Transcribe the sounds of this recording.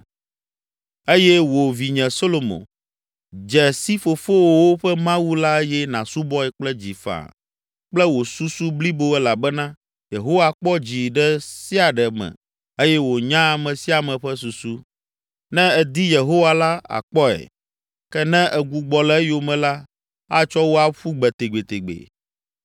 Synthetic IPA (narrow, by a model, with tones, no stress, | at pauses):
e˦jɛ˦wo˨vi˨ɲɛ̃˨so˦lo˨mõ̰˨ | d͡ʒɛ˨si˦fo˨fo˦wwo˦ɸɛ˦mã˦wu˦la˦e˦jɛ˦nã̰˨su˦bɔ˦ɛ˨k͡plɛ˦d͡ʑi˨fa̰˨ | k͡plɛ˦wo˨su˦su˦bli˦bo˦ɛ˦la˨bɛ˦nã˦ | je˨ɦo˦wa˨k͡pɔ˦d͡ʑi˨ɖɛ˦si˦a˨ɖɛ˨mɛ̰̃˨ | e˦jɛ˦wo˨ɲã˦a˨mɛ̃˨si˦a˨mɛ̃˨ɸɛ˦su˨su˦ | nɛ̃˦ɛ˨d̪i˦je˨ɦo˦wa˦la˦a̰˨k͡pɔ˦ɛ̰˨ | kɛ˦nɛ̃˦ʔɛ˨ɡu˨ɡ͡bɔ˨lɛ˦jo˨mɛ̃˨la˦ | a˦t͡ʃɔ˦wo˦a˦ɸu˦ɡ͡bɛ˨t̪e˨ɡ͡be˨t̪e˨ɡ͡bḛ˨